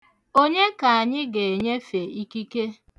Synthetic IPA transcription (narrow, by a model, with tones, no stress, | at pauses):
o˦ɲe˦ka˨a˨ɲɪ˦ɡe˨ɲe˦fe˨i˦ki˦ke˦